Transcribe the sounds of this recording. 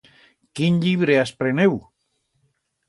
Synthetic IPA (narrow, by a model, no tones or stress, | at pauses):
kinʎiβɾeaspɾenew